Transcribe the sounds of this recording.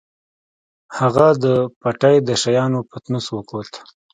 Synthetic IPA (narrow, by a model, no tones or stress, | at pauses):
haɣad̪əpaʈajd̪əʃajɑnopət̪nuswəkot̪